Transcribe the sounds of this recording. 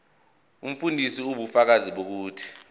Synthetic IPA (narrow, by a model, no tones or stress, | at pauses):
um̩fundʱisiuɓufak̬aziɓok̬uːtʰi̥